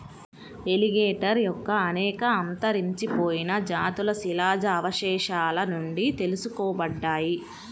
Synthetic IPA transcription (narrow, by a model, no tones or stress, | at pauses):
e̞liɡeːʈɐɾjɔkːɐːnɛːkɐɐnt̪ɐɾiɲt͡ʃipoːjinɐd͡ʒaːt̪ulɐsilaːd͡ʒɐːʋɐʃɛːʃaːlɐnuɳɖit̪e̞lusukɔːbɐɖːaːji